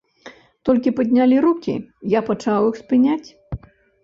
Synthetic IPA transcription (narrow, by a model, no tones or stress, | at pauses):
t̪ɔlʲkʲipɐd̪ʲnʲalʲiɾukʲḭjapɐt͡ʂawjixspɨnʲat͡sʲ